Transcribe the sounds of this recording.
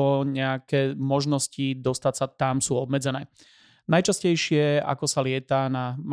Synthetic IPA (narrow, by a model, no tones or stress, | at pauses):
ɔɲɛakɛːmɔʒnɔscid̪ɔst̪atsat̪amsuːɔbmɛd͡zɛnɛː | najt͡ʃascɛjʃɪɛa̰kɔsalɪɛt̪anam